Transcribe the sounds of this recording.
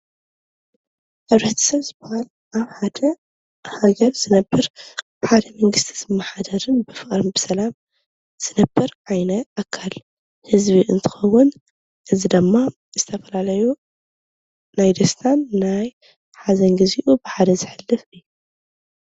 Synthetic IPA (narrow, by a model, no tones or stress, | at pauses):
ħɨβɾɐt̪ʰɐ̥sɐβzɨbahal | ʔaβħad̪ɐ | haɡɐɾz̥ɨnɐbːɨɾ | ħad̪ɐmɐŋɡɨst̪ʰi̥zɨmːaħad̪ɐɾɨnbɨfɨχʼɾɨnbɨsɐlam | z̥ɨnɐbːɨɾʕajnɐʔakʰːal | hɨzβiʔɨnt̪ʰɨ̥xɐwːʊn | ʔɨzid̪ɨmːa | zɨt̪ʰɐfɐlalɐju | najd̪ɐst̪ʰanːaj | ħazɐnɡɨziʔubɨħad̪ɐzɨħɨlːɨfɨjːu